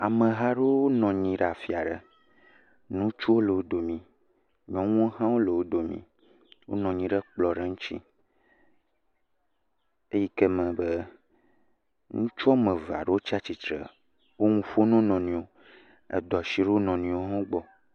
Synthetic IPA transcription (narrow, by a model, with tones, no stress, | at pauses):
a˨mə̃˨ɦa˦ɖe˦o˦nɔ̃˨ɲĩ˨ɖa˨fi˨a˨ɖə˦˨ | nũ˦t͡ʃu˦wo˦le˨wo˦d̪o˨mĩ˨ | ɲɔ̃˨ŋũ˦o˦ɦã˦wo˦le˨wo˦d̪o˨mḭ̃˨ | wo̰˦nɔ̃˨ɲĩ˨ɖɛ˦k͡plɔ˨ɖe˦ŋũ˦t͡ɕḭ˦ | e˦ji˦ke˦mɛ̃˨be˦ | ŋũ˦t͡ʃɔ˦mẽ˨va̰˨ɖe˦wo˦t͡ʃi˦a˦t͡ɕi˨t̪ɾḛ˨ | wo˦ŋũ˦fo˦nũ˦nɔ̃˨nĩ˨o˨ | ḛ˨d̪ɔ˨si˦ɖe˦o˦nɔ̃˨nĩ˨˦o˦ɦã˦o˦ɡ͡bɔ˦